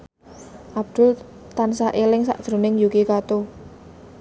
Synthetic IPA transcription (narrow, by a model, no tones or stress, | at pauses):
ʔab̚d̪̥ʊ̤l | t̪ansaʔelɪŋsa̰ʔd̪̥ɾo̤nɪŋjukikat̪o